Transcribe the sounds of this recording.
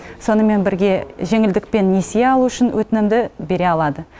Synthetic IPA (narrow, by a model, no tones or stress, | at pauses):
so̞nəme̞nbɪɾɡʲe̞ʒe̞ŋɪld̪ɪk̚pe̞nːe̞sijeɑlˠuʏʃɪnwʔɵt̪ɪnɪmd̪ɪbe̞ɾe̞ɑlˠɑd̪ə